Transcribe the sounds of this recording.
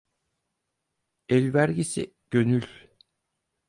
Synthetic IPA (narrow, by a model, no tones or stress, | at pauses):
ɛlʲvæɾɟisḭ | ɟ̥ønylʲ